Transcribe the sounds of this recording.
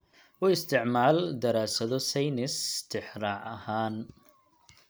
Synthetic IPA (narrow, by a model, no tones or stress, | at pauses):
ʔʊːɪst̪ʰɪʕmaːld̪ɐɾaːsɐðɔsɛjnɪst̪ʰɪħrɑːʕɐhaːn